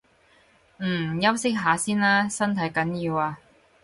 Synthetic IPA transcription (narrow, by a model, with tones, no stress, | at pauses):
jɐ˥wsɪ˥k̚ɦaː˨˥siː˥naː˥sɐ˥nt̪ʰɐ˨˧˥jkɐ˨˥njiː˧waː˧